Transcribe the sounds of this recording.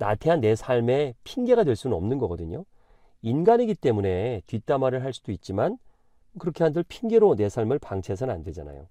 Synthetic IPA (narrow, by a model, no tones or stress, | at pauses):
na̰tʰe̞ɦanːe̞sʰaɭme̞pʰiŋɡe̞ɡadwe̞ɭs͈unɯnʌ̰mnɯnɡʌɡʌdɯɲo | inɡaniɡit͈e̞mune̞tɥit͈amaɾɯɭɦaɭs͈udoit̚t͡ɕ͈iman | kɯɾʌkʰe̞ɦandɯɭpʰiŋɡe̞ɾone̞sʰaɭmɯɭpaŋt͡ɕʰe̞sʰʌnɯna̰ndwe̞d͡ʑana̰jo̰